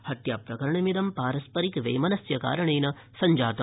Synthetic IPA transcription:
hɐt̪jaːpɾɐkɐɾɐɳɐmid̪ɐmpaːɾɐspɐɾikʋḛjmɐnɐsjɐka̰ːɾɐɳeːnɐ | sɐɲd͡ʒaːt̪ɐ

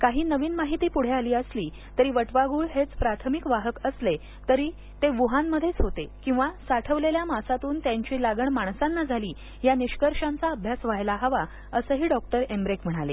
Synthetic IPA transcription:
kaɦiːnəʋiːnmaɦit̪iːpuɽ̤ealiːəsliː | t̪əɾiːʋəʈʋaɡuːɭɦet͡spɾat̪ʰəmikʋaɦəkəsle | t̪əɾiː | t̪eʋuɦanməd̪ʱːjet͡sɦot̪ekĩw̃ʋasaʈʰəʋleljamasat̪uːnt̪jaɲt͡ɕiːlaɡəɳmaɳ̃sanːad͡zʱaliː | janiɕkəɾʂãnt͡saəbʱjasʋajlaɦəʋa | əsəːɦiːɖɔk̚ʈəɾembɾekm̤əɽ̃alḛ

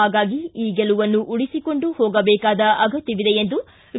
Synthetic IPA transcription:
aːɡaːɡiiːɡɛluʋɐnːuʔuɽisiko̞ɳɖuhoːɡɐbɛːkaːd̪ɐʔɐɡɐt̪ːiʋid̪eend̪u

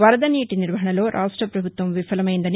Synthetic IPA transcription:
ʋɐɾɐd̪ɐniːʈiniɾʋɐɦɐɳɐlo̞ːɾʔaːʂʈɾɐpɾɐbʱut̪ʋɐmʋifɐlɐmɐjind̪ɐni

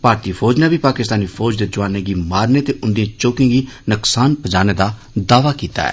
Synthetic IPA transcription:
paːɾt̪iːfʰɔːd͡ʒnɛːbʱiːpaːkɪst̪aːniːfʰɔːd͡ʒd̪eːd͡ʒʊʋaːnẽːɡiːmaːɾneːt̪eːʔʊnd̪ijãːt͡ʃoːkɪ̃ẽːɡiːnʊksaːnpəd͡ʒaːneːd̪aː | d̪aːʋaːkiːt̪a̰ːɛ̰ː

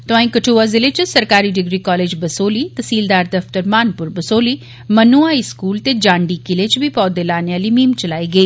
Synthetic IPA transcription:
t̪ʊãːĩːkəʈʰuːazɪleːt͡ʃsəɾkaːɾiːɖɪɡɾiːkɔːleːd͡ʒbəsoːliːt̪əsiːld̪aːɾd̪əft̪əɾmaːnpʊɾbəsoːliː | mənuːaːɪskuːlt̪eːd͡ʒãːɳɖiːkɪlet͡ʃbʱiːpɔːd̪eːlaːneaːliːmiːmt͡ʃəlaːiːɡəeː

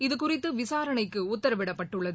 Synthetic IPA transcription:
ɪðɯkʊrɪt̪ːɯʋɪsaːɾɐnɐɪkːɯʊt̪ːɐɾɐʋɪɽɐpːɐʈːɯɭːɐð

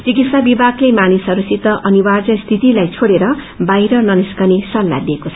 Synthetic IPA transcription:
t͡sikit̪sabibʱaɡlejmanisɦʌɾusit̪ʌʔʌniward͡zʌst̪ʰit̪ilajt͡sʰoɽeɾʌ | bajɾʌnʌniskʌnisʌlːa̰d̪iekot͡sʰʌ

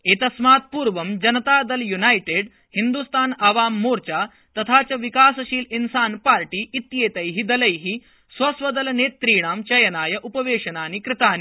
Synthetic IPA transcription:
eːt̪ɐsmaːt̪̚puːɾʋɐmd͡ʑɐnɐt̪aːd̪ɐljunajʈeɖ | hind̪ust̪aːnɐʋaːmːoːɾt͡ɕa | t̪ɐt̪ʰaːt͡ɕɐʋikaːsɐɕiːlinsaːnpaːɾʈiːʔːt̪jeːt̪ɐjɦid̪ɐlɐjɦi | sʋɐsʋɐd̪ɐlneːt̪ːɾiːɽ̃aːmt͡ɕɐjɐnaːjɐʔupɐʋeːʂɐnaːnikɾɪt̪aːni

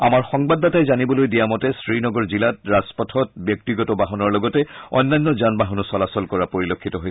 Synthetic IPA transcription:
a̰maɹxɔŋbadːatajzanibɔlojdijamɔtɛsɹinɔɡɔɹzilat̚ɹazpɔtʰɔt̚bjɔk̚tiɡɔtɔbaɦɔnɔɹlɔɡɔtɛɔ̰nːanːɔzanbaɦɔnɔsɔlasɔlkɔɹapoɹilokʰːitɔɦojs

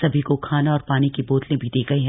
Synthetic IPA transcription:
sɐbʱikokʰaːnaɔːɾpaːnikeboːt̪lẽbʱid̪eːɡɐeɦɛ̃

